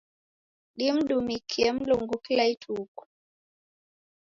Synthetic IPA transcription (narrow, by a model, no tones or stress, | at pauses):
ɗim̩ɗumikʰiɛm̩luŋɡukilaitʰuːku̥